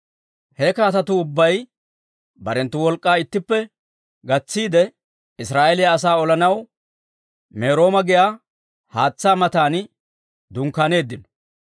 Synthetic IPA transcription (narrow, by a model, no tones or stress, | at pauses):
hɛkaːt̪ɐt̪ʊʊbːɐj | bɐɾɛnt̪ːʊwɔlkʼːaːɪt̪ːɪpːɛ | ɡɐt͡sːiːd̪ɛ | ɪsɾaːʔɛlɪjɐːs̬aːɔlɐnɐw | meːɾo̞ːmɐɡɪjaː | haːt͡sːaːmɐt̪aːn | d̪ʊŋkaːne̞ːd̪ːɪnɔ̥